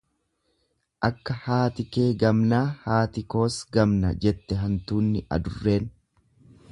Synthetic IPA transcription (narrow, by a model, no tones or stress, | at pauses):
ʔɐkːɐhaːt̪ɪke̞ːɡɐmnaːhaːt̪ɪko̞ːsɡɐmnɐ̰d͡ʒɛt̪ːɛɦɐnt̪uːnːɪʔɐ̰d̪ʊrːe̞ːn